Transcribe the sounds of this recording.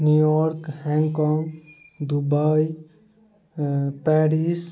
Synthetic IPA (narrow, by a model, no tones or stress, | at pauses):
njujɔɾkhɛ̃ŋɡkɔŋɡ | d̪ubaj | pɛɾis